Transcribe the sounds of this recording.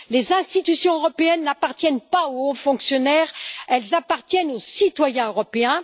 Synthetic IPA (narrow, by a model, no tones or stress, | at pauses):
lezɛ̃st̪it̪ysjɔ̃øʁɔpeɛnːapaʁt̪jɛnpaoɔ̃fɔ̃ksjɔnɛːʁɛlzapaʁt̪jɛnosit̪wajɛ̃øʁɔpeɛ̃